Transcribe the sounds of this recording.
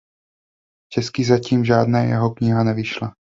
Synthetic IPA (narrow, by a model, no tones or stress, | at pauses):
t͡ʃɛskiːzaciːmʒaːdnɛːjɛ̰ɦo̞kɲɪɦanɛvɪʃla